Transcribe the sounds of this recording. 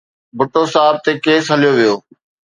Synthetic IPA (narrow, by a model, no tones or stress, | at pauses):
bʱʊʈosaːb̚t̪ekeːsɦɐlijoʋijoː